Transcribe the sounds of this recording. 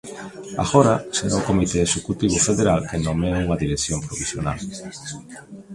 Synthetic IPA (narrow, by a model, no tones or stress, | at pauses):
a̰ɣoɾaseɾaʊkomit̪eeʃekut̪iβ̞ʊfeðeɾalkenõmeuŋaðiɾesjompɾoβisjona̰l